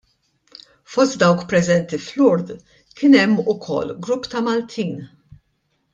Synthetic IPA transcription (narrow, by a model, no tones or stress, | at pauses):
fɔst̪̚d̪ɐwkpɾɛzɛnt̪iflʊɾd̪ | kɪnɛmːʊkʰɔ̰lːɡɾʊpːt̪ɐmɐlt̪ʰiːn